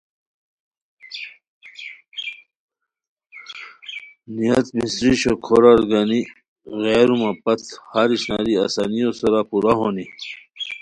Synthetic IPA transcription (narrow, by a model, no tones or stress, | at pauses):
nijɐt̪misɾiɕokʰoɾaɾɡani | ɣeːɾumɐpɐt̪ʰhaɾiɕna̰ːɾiasanijosɐɾapuɾaɦoni